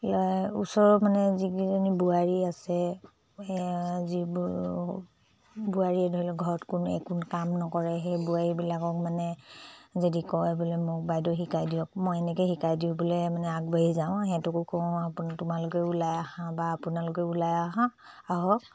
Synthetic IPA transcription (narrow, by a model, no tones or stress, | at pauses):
lɔṵsɔɹmanɛzikizɔnibuaɹiasɛ | zi | buaɹiɛdʱɔilɛɡʱɔɹɔtkunɛ̰kʰunkamnɔkɔɹɛɦɛjbuaɹibilakɔk̚manɛzedikɔjbɔlɛmʊk̚bajdɔxikajdijɔkmɔjɛnɛkɛxikajdiʊ̃bɔlɛmanɛaɡ̚baɦizaʊ̃ɦɛtukʊkɔ̃apntʊmalʊkɛulajaɦãbaːpʊnalʊkɛulajaɦãaɦɔk